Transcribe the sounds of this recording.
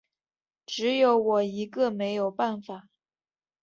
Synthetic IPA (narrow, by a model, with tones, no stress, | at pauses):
ʈ͡ʂɻ̩˧˥jo˧˥ʊwɔ˨˩i˧˥ɡə˥˧me˧˥ɪjo˨˩ʊpa˥˩nfa˨˩˦